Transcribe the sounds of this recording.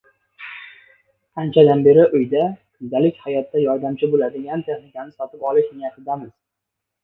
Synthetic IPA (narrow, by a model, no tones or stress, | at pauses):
ant͡ʃʰad̪anbe̞ɾɪʔʊjd̪akʰʊnd̪alɪkʲhajɒt̪ːajɒɾd̪amt͡ʃʰɪbolad̪ɪɡʲant̪ʰe̞χnɪkʲanɪsɒt̪ʰɪpɒlˠɪʃnɪjat̪ʰɪd̪amɪz̥